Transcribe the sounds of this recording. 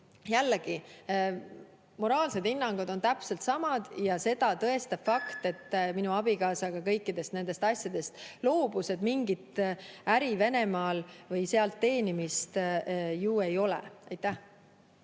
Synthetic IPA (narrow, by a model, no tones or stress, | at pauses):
jælːeɡ̥i | mo̞ɾɑːlse̞d̪̥inːɑŋɡ̥od̪o̞nt̪æpse̞lt̪sɑmɑd̪̥jɑse̞d̪̥ɑt̪ɤe̞st̪ɑb̥fɑkt̪e̞t̪ːˑminuɑb̥ikɑːsɑɡ̥ɑkɤjkˑːid̪̥e̞st̪ne̞nd̪e̞st̪ɑsjɑd̪̥e̞st̪lo̞ːb̥use̞d̪miŋɡit̪æɾive̞ne̞mɑːlvɤjse̞ɑlt̪ːe̞ːnimist̪juːe̞jo̞lḛɑjt̪ːˑæh